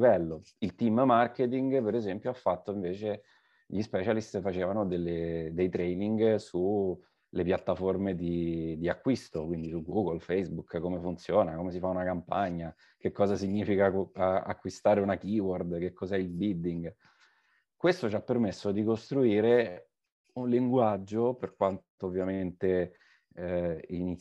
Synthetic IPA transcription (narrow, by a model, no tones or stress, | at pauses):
vɛlːo | ilt̪immarket̪̬iŋɡpeɾezɛmpjoafːat̪ːoiɱveːt͡ʃe | ʎispɛt͡ʃalist̪fat͡ʃeːvanod̪elːed̪ejt̪ɾɛjniŋɡsu | lepjat̪ːaformed̪id̪iakːwist̪okwind̪isuɡuːɡolfejsbukkomefunt̪sjoːnakomes̬ifaunakampaɲːa | kekːɔːzasiɲːiːfikaa̰kːwist̪aːɾeunakiwɔrd̪k̟ekːɔzɛilbild̪iŋɡ | kwest̪ot͡ʃapːermesːod̪ikost̪ɾuiːɾe | unliŋɡwad͡ʒːoperkwant̪oːvːjament̪e | ini